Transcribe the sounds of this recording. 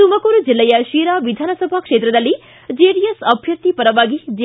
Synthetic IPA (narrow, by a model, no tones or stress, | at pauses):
umɐkoɾud͡ʒilːɐjɐʃiɾaʋid̪ʱaːnɐsɐbʱakʂeːt̪ɾɐd̪ɐlːi | d͡ʒeɖijesɐbʱjɐt̪ːipɐɾɐʋaɡid͡ʒe